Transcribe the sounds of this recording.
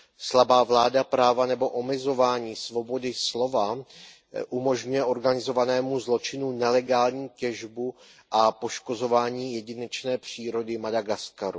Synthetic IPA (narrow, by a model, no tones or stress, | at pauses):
slabaːvlaːdapɾaːvanɛbo̞ʔomɛzo̞vaːɲiːsvo̞bo̞dɪslo̞va | ʔumo̞ʒɲujɛʔo̞ɾɡanɪzo̞vanɛːmuzlo̞t͡ʃɪnunɛlɛɡaːlɲiːcɛʒbu | ʔapo̞ʃko̞zo̞vaːɲiːjɛɟɪnɛt͡ʃnɛːpr̝̥iːɾo̞dɪmadaɡaskaɾu